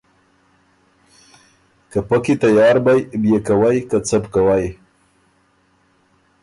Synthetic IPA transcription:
kəpəkit̪ajɑːɾbajbjekawajkat͡səbkawaj

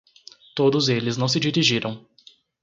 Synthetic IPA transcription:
t̪od̪ʊzelɪznɐ̃w̃sɪd͡ʒiɾiʒiɾɐ̃w̃

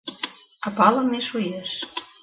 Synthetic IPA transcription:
ɑpɑlə̆mːiʃujeʃ

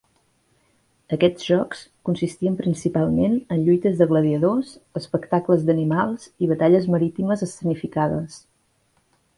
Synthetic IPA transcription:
əkɛd͡zʒɔkskunsist̪iəmpɾinsipalˠmenənʎujt̪əzðəɣləðiəðosəspəkt̪akləzðənimalˠziβ̞ət̪aʎəzməɾit̪iməzəsənifikaðəs

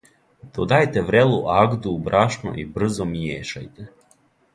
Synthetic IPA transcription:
d̪̥od̪ajt̪eʋɾeluʔaɡd̪ubɾʔaʃno̰ʔibr̩zomjeːʃa̰jt̪e

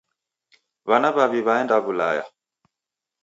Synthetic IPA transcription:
βanaβaβiβaɛndaβula̰ja̰

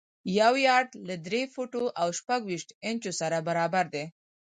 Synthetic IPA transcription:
jawjɑʈlad̪ɾefoʈoʔawʃpaɡwiʃʈɪnt͡ʃosaɾabaɾɑbaɾd̪e

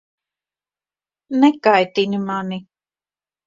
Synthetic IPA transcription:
nɛkajt̪inimani

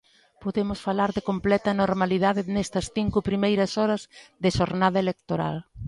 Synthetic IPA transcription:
poðemʊsfalaɾðɪkomplɛt̪ɐnoɾmaliðaðɪnɛst̪ɐsθiŋkʊpɾimejɾɐsɔɾɐzðɪʃoɾnaðɐelek̚t̪oɾa̰l

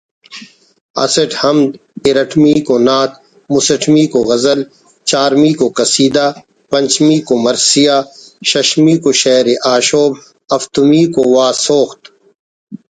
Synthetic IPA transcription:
ɐ̰sɐʈhɐmd̪iɾɐʈʰmiːkonaːt̪̚ | mʊsɐʈʰmiːkoɣɐzəl | t͡ʃaːɾmiːkokɐsiːd̪aː | pɐ̃ɲʲt͡ʃmiːkomɐɾsijaːʃɐʃmiːkoʃɐːɾeʔaːʃoːb̚ | ɐft̪umiːkowaːsoːxt̪

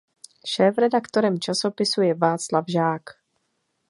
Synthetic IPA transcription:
ʃɛːfɾɛdakt̪o̞ɾɛmt͡ʃaso̞pɪsujɛvaːt͡slavʒaːk

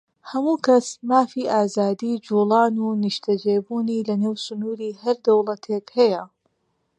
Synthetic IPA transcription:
hɐmuːkʰɐsmaːfiːʔaːzaːd̪iːd͡ʒuːlˠɑːnuːniʃt̪ʰɐd͡ʒeːbuːniːlɐneːwsʊnuːɾiːhɐɾd̪ɐwlˠɐt̪ʰekhɐjɐ

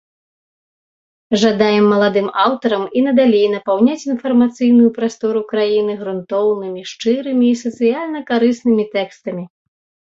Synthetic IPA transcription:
ʐad̪ajɛmːɐlˠad̪ɨmawt̪ɐɾɐminɐd̪alʲejnɐpawnʲat͡sʲinfɐrmat̪sɨjnujupɾast̪ɔɾukɾajinɨɣɾunt̪ɔwnɨmʲiʂt͡ʂɨɾɨmʲiːsɐt̪sɨjalʲnɐkaɾɨsnɨmʲit̪ɛkst̪ɐmʲi

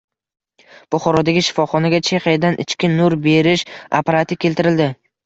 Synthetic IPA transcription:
b̥ʊχɒɾɒd̪aɡʲɪʃɪ̥fɒχɒnaɡʲat͡ʃʰeχajad̪anʔɪ̰t͡ʃkʲɪnʊɾbe̞ɾɪʃa̰paɾat̪ʰɪkʲʰe̞lt̪ɪɾɪld̪ɪ

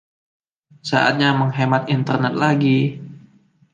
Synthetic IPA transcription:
sa̰ʔa̰t̪̚ɲaməŋɦemat̪int̪ərnɛt̪̚laɡi

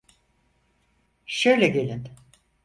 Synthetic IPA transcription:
ʃøjlʲɛɟe̞lʲin

